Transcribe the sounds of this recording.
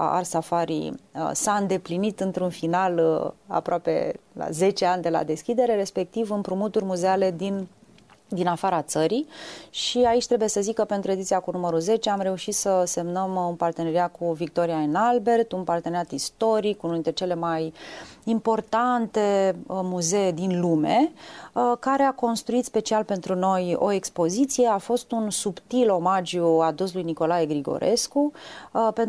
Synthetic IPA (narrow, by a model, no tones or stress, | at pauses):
a̰rsafaɾḭsaɨnd̪e̞plinit̪ɨnt̪ɾunfinala̰pɾoape̞̰la̰ze̞t͡ʃe̞anʲd̪e̞la̰d̪e̞skʲid̪e̞ɾe̞ɾe̞spe̞k̚t̪ivɨmpɾumut̪uɾrʲmuze̞ale̞d̪in | d̪inafaɾat̪səɾiʃiait͡ʃʲt̪ɾe̞buje̞səzikəpe̞nt̪ɾue̞d̪it̪sijakunuməɾuze̞t͡ʃe̞amɾe̞uʃit̪səse̞mnəmunpart̪e̞neɾiat̪̚kʰuvik̚t̪o̞ɾiaenalbe̞rt̪unpart̪eneat̪ist̪o̞ɾikunuint̪ɾet͡ʃe̞le̞majimpo̞rt̪ant̪e̞muze̞ed̪inlume̞ | kaɾe̞ako̞nst̪ɾuit̪spe̞t͡ʃialpe̞nt̪ɾuno̞jo̞̰e̞kspo̞zit̪sije̞afo̞st̪unsupt̪ilo̞mad͡ʒjuad̪uslujniko̞lajeɡɾiɡo̞̰ɾʔe̞skupen